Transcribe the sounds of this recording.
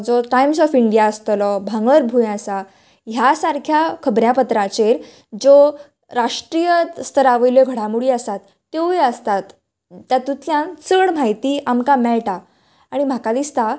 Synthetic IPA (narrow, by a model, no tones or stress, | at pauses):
d͡zɔʈajmsɔfiɳɖijaəst̪lɔbʱãŋɡɭəɾbʱujãsa | ɦjasaɾkʰjakʰəbɾjapət̪ɾat͡ɕeɾ | d͡zo | ɾaʂʈɾijət̪st̪ʰəɾaʋəjljɔɡʱəɽ̤ãmuɽiːəsat̪ːeweəst̪at̪ | t̪ːjat̪ut̪ʰljãnt͡səɽm̤aɦit̪iːamkamɛɭʈaː | ɽ̃im̤akad̪ist̪a